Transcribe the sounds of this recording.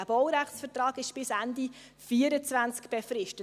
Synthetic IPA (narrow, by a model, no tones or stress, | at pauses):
æb̥ɔwɾæχsfətrɑːɡɪʃb̥ɪsændi | fiəɾət͡svænt͡skb̥efrɪʃtə